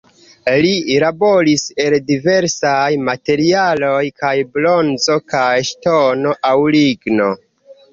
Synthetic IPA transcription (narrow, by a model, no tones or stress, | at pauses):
lilabo̞ɾise̞ldive̞ɾsajmate̞ɾialo̞jkajblo̞nzo̞kajʃtono̞ʔawliɡno̞